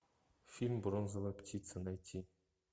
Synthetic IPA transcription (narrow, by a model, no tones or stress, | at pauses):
fʲilʲmʲbronzɤ̆lˠaptʰʲit̪sɤ̆nɑjt̪ʲʰːi